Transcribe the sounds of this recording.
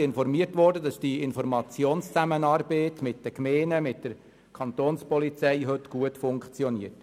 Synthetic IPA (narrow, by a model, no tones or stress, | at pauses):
ɪnfɔɾmiətʋɔːrdədɑsd̥iɪnfɔɾmɑt͡sjoːnst͡sæmənɑːɾbeːtmɪt̚d̥əkmeːnəmɪt̚d̥əɾ | kʰɑnt̪oːnspɔlit͡sɛɪɦɵtɡ̥uətfʊŋkt͡sjɔniət